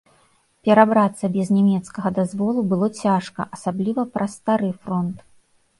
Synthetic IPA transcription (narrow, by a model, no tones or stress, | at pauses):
pʲɛɾabɾat̪sːɐbʲɛznʲɛmʲɛt̪skɐɣɐd̪azvɔlˠubɨlˠɔt͡sʲaʂkɐ̰ʔɐsablʲivɐpɾɐst̪aɾɨfɾɔnt̪